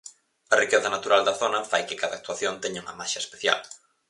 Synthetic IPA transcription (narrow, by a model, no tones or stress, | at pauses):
ɐrikɛθɐnat̪uɾald̪ɐθonɐfajkɪkaðaːk̚t̪uaθjont̪ɛɲauŋɐmaʃɐespeθja̰l